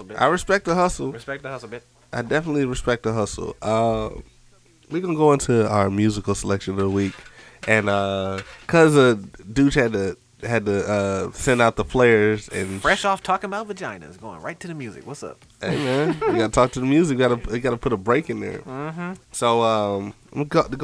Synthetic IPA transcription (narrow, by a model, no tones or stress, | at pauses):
ʔa̰ɪɹɨspɛk̚t̪̚ðəɦʌsl̩ˠspɛk̚ðəhʌs | ʔaɪdɛfənətˡliɹɨspɛk̚t̪̚ðəɦʌsl̩ˠʌ | wiɡənəɡoʊɪ̃ntʰuaʊə˞mjʉzɨkl̩ˠsəlɛkʃɨ̃nwik | ʔɨ̃nʌkʰʌzədʉt͡ʃhɨd̚tɨ | hɨd̚tɨʌsɛ̃ndaʊt̪̚ðəpʰl̥eɪə˞zɨ̰̃nfɹɛʃɔftʰɔkɪ̃ŋəbaʊt̪̚ðɨd͡ʒãɪ̃nɨ̰zɡoʊɪ̰̃ŋɹaɪtʰɨðɨmjʉzɨ̰kwʌtsʌ̰p̚ | ʔeɪmɛ̃nwiɡɑɾətʰɔk̚tʰɨðɨmjʉzɨk̚wiɡɑɾɨɪɡɑɾəpʰʊɾəbɹeɪkɨ̃nðə̰̥˞ | soʊʌ̃m | ɡoɡ